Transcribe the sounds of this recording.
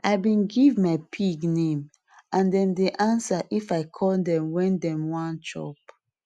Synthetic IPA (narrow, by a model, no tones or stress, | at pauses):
ʔaɪbĩnɡivmaɪpʰiɡnẽm | ʔãndɛ̃mdeʔãnsaʔifaɪkʰɔldɛ̃mwɛ̃ndɛ̃mwãnt͡ʃɔ̰p